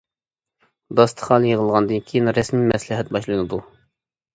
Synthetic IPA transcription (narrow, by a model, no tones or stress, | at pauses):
d̪ɑst̪ʰə̥χɑlˠjəʁəlˠʁɑnd̪ɨnkʲʰijnɾɛsmimɛslɪɦɛt̪̚bɑʃlˠɨnɨd̪u